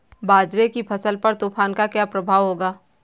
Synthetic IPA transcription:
baːd͡ʒɾekipʰɐsəlpɐɾt̪uːpʰaːnkakjaːpɾəbʱaːʋɦoːɡaː

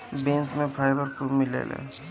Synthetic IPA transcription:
bẽːnsmẽpʰaːjbəɾkumɪlḛːlḛː

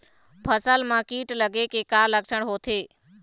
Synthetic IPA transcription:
pʰəsəlmãkiːʈləɡekekaləksəɽ̃ɦoːt̪ʰeː

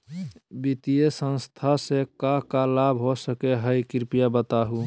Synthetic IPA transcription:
bit̪ijesə̃nst̪ʰasekakalabɦosəkeɦəjkɪɾpijabət̪aɦu

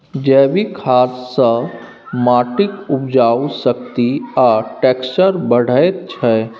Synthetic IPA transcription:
d͡ʒɛːbikʰaːsːə | maːʈɪkʊpd͡ʒaːwsəkt̪iaʈɛːkst͡ʃəɾbəɽ̤əet̪̚t͡ʃʰɛ

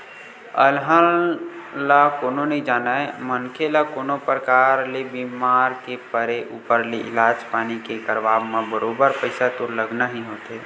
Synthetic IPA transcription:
ə̰lɦəl | lakoːnonəɦĩd͡ʒaːnaemənkʰelakoːnopɾəkaɾlebimaːɾkepəɾeʔuːpəɾleʔɪ̰laːd͡ʒpaːnikekəɾʋaːbmebəɾoːbəɾpəɪsat̪oləɡnaɦiɦoːt̪e

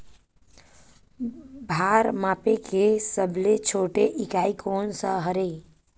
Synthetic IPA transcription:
bʱaɾmapekesəblet͡ʃʰoʈeʔikaikʰoːnsəɦəɾei

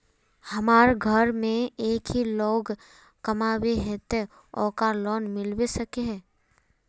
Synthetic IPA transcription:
hɐmaːɾɡʱɐɾmẽeːkɦiloːɡ | kɐmaːweɦɛt̪e | ɔːkalɔːnmɪlwesɐkeɦɛː

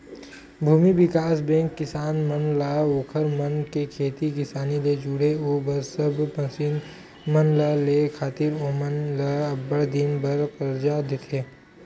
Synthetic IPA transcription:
bʱuːmibɪkaːsbɛ̃ːŋkːɪsaːnmənlaːoːkʰəɾmənkekʰeːt̪ikɪsaːnid̪ed͡ʒuːɽeoːbəɾsəbpə̃sin | mənlalekʰaːt̪ɪɾoːmənlabəɽd̪ɪnbɐɾqəɾd͡ʒad̪ɪt̪ʰeː

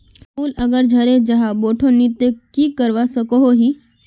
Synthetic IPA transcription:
puːləɡəɾd͡ʒʱəɾed͡ʒəɦaboʈʰonit̪jəkiːkəɾʋasəkoɦoɦi

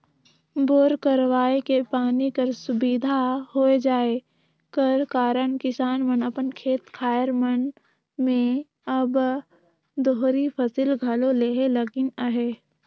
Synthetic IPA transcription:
boːɾkəɾwaːekepaːnikəɾsʊbiːd̪ʱahoːed͡ʒaːe | kəɾkaːɾənkɪsaːnmənəpənkʰeːt̪kʰaːjəɾmən | mẽ | əb | d̪oːɦɾipʰəsiːlɡʱɐloleːɦeləɡɪnaɦeː

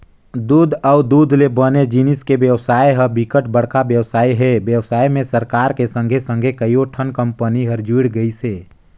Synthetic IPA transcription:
d̪uːd̪əʊd̪uːd̪ʱlebəned͡ʒinɪskebjəwsaːjɦəbikəʈbəɽ̤kabjəwsaːiɦɛːbjəwsaːimẽsəɾkaːɾkesə̃ŋɡʱesə̃ŋɡʱekəioʈʰənkə̃mpəniɦəɾd͡ʒiːɽɡəiseː

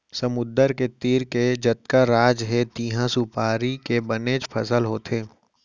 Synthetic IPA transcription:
səmʊd̪əɾket̪iːɾked͡ʒət̪̚kaɾaːd͡ʒɦet̪iːɦãsupaːɾikebəneːd͡ʒpʰɐsəlɦoːt̪ʰeː

